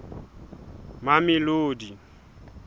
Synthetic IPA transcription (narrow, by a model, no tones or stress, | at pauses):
mamɪloːdi